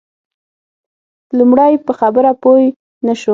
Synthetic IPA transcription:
lumɽajpəxabəɾapoj | naʃu

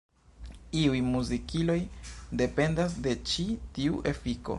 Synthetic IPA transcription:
iujmuzikilo̞jde̞pe̞ndas̬de̞t͡ʃitiuʔe̞fiko̞̰

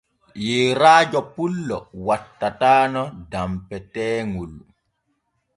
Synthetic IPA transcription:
jeːɾaːd͡ʒɔpulːɔwatːataːnɔdampɛtɛːŋul

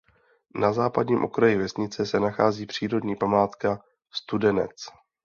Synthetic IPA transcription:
nazaːpadɲiːmʔo̞kɾajɪvɛsɲɪt͡sɛsɛnaxaːziːpr̝̥iːɾo̞dɲiːpamaːt̪ka | st̪udɛnɛ̰t͡s

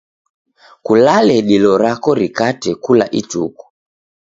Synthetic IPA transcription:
kulalɛɗilɔɾakɔɾikatɛkula̰ʔitṵku̥

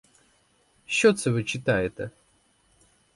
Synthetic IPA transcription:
ɕːot̪səvɨt͡ɕɪt̪aɪt̪ə

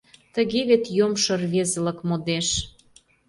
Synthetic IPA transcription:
t̪ə̆ɣeβet̪jomʃɤ̆rβezə̆lə̆kmod̪eʃ

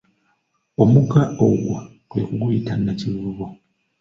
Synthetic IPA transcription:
o̞muɡaoɡwa | kwekuɡuitanːaciβuuβo

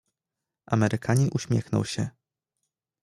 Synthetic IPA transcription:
ʔamɛɾɘkʰaɲinʔuɕmʲjɛxnɔ̰wɕɛ

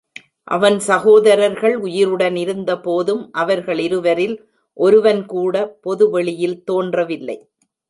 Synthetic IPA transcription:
ʔɐ̰ʋɐnsɐɣoːðɐɾɐɾɣɐɭʊjɪɾɯɽɐnɪɾɯnd̪ɐpoːðɯmʔɐʋɐɾɣɐɭɪɾɯʋɐɾɪl | ʔɔɾɯʋɐnkuːɽɐpɔðɯʋɛɭɪjɪlt̪oːndrɐʋɪlːɐ̰ɪ

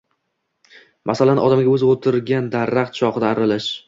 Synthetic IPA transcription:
mʔasalanʔɒ̰d̪amɡʲaɵzot̪ʰɪɾɡʲand̪aɾːaχt̪̚t͡ʃʰɒqɨd̪aːɾɪlɪʃ

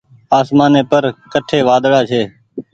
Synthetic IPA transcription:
aːsmaːneːpəɾkəʈʰeːʋaːd̪ɽaːt͡ʃʰeː

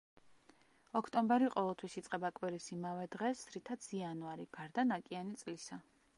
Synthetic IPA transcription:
ɔkʰt̪ʼɔmbɛɾiqʼɔvɛlˠt̪ʰwisit̪sʼqʼɛbakʼwiɾisimavɛd̪ʁɛsɾit̪ʰat̪sʰianuaɾiɡ̥aɾd̪anakʼianit̪sʼlisa

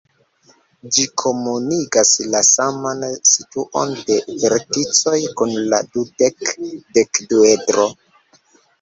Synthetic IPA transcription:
d͡ʒikʰo̞muniɡaslasamansituʔo̞̰nde̞veɾtit͡sojkunla̰dude̞kde̞kduedɾo̞

